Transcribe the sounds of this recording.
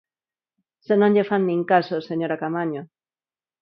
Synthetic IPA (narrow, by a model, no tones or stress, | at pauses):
senõɲʎefanːĩŋkasoseɲoɾakamaɲo